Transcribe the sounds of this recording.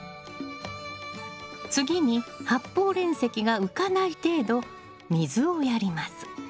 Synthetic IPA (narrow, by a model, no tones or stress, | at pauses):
t͡sɨɡʲiɲ̟ihapːo̞ːɾẽ̞ɰ̃se̞kʲiɡaɯ̟kanait̪e̞ːd̪o̞ | mʲizɨo̞jaɾʲimasɨ̥